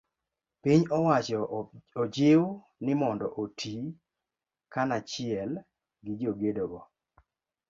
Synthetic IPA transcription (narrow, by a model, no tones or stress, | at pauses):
piɲɔwat͡ʃɔɔd͡ʒɪw | nɪmɔndɔʔotʰi | kanat͡ʃɪɛl | ɡɪd͡ʒoɡedoɡɔ